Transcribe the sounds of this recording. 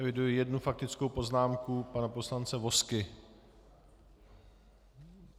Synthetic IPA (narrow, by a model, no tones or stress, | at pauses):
ɛvɪdujɪjɛdnufak̚t̪ɪt͡sko̞wpo̞znaːmkupanapo̞slant͡sɛvo̞skɪ